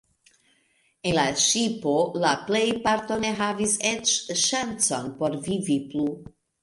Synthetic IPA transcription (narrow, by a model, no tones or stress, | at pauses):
enlaʃipolaplejpaɾto̞ne̞ɦaviset͡ʃʃant͡so̞npo̞ɾviviplu